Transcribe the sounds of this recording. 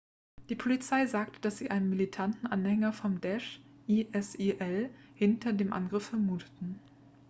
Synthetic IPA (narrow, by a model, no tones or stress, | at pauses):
d̥iːpʰolit͡saɪzaːk̚tə̥d̥asz̥iːʔa̰ɪnənmilitʰantn̩ʔanhɛŋɐfɔmdɛʃʔiʔɛsiʔɛlhɪntʰɐdeːmʔa̰nɡʁɪfɛɐmuːtʰə̥tn̩